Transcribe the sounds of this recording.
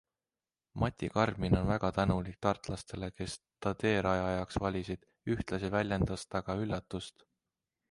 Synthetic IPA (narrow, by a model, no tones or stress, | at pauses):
mʔɑt̪ʲikɑrmino̞nvæɡ̥ɑt̪ænulik̚t̪ɑrt̪ˑlɑst̪e̞le̞ke̞s | t̪ɑt̪e̞ːɾɑjɑjɑksvɑlʲisid̪̥ | yht̪lɑsivælʲjend̪̥ɑst̪ɑɡ̥ɑylːɑt̪ːˑust̪